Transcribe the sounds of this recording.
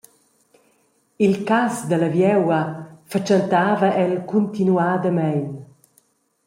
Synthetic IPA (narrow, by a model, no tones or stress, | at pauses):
ilkasd̪əlavjɛwɐfat͡ʃant̪aːvəɛlkunt̪inuaːd̪əmɛjn